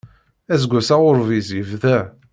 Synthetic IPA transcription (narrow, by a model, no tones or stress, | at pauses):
æzɡʷæsaʊɾvizivðæ